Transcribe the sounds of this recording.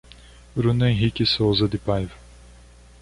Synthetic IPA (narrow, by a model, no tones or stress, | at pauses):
bɾũnẽɦikɪsowzɐd̪ɪpajvɐ